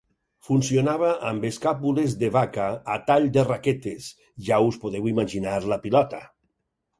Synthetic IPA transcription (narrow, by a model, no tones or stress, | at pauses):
funsionaβ̞aʔambeskapulezðeβakaːt̪aʎd̪eraket̪es | ʒauspoðewimaʒinaɾlapilɔt̪a